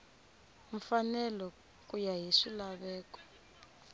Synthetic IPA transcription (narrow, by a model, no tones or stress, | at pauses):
ɱ̩fanɛlɔ | kʼujaɦiʂilaβɛːkɔ̥